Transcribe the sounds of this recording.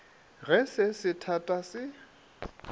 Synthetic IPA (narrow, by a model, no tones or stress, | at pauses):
ɣɛsɪsɪtʰatʼasɪ